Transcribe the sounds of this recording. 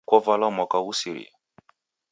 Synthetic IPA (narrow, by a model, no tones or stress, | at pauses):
kɔvalɔmakausiɾḭ